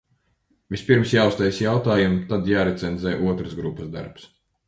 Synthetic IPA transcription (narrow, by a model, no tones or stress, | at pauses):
vispiɾmsjaːust̪ɛjsjawt̪aːjumt̪ad̪jaːɾɛt̪sɛnzɛjʔuɔt̪ɾəsɡɾupːəzd̪a̰ɾps